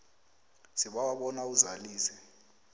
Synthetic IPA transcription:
siɓawaɓɔnauzaliːsɛ

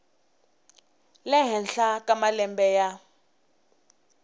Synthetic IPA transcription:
lɛɦɛnɬakamalɛmbɛja

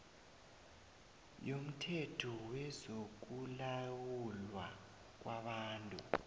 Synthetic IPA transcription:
jom̩tʰetʰuwɛzok̬ulawulwa̰ | k̬waɓaːntʼṵ

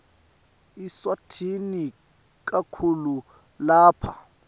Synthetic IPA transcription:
iswatʰini | k̬ʼakʰulu | laːpʰa

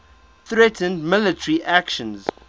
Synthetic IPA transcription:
θɹɛtʰə̃ndmɪlətʰəɹiʔækʃə̃nz

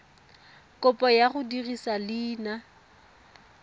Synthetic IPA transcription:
kʼʊpʼɔjaɣʊdirisalɪːna

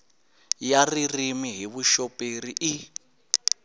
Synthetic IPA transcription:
jaririmiɦiβuʃɔpeɾiʔi

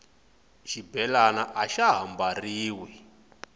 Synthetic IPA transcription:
ʃibɛlanaʔaʃaɦambariːwɛ

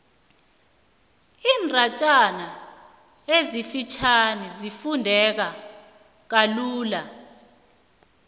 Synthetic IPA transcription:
iːnrʱat͡ʃʼana | ezifit͡ʃʰanizifundʱɛk̬a | k̬aluːla

